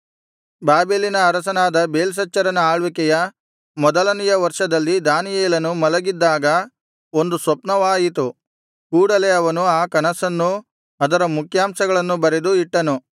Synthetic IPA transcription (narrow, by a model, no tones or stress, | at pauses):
baːbeːlinɐːɾɐsɐnaːd̪ɐbeːls̬ɐt͡ʃːɐɾɐnɐaːɭʋikɛjɐ | mɔd̪ɐlɐnijɐʋɐɾʂɐd̪ɐlːid̪aːnijeːlɐnumɐlɐɡid̪ːaːɡɐ | o̞nd̪usʋɐpnɐʋaːjit̪u | kuːɽɐleɐʋɐnuaːkɐnɐsɐnːu | ɐd̪ɐɾɐmukʰjaːmsɐɡɐɭɐnːubɐɾed̪uiʈːɐnu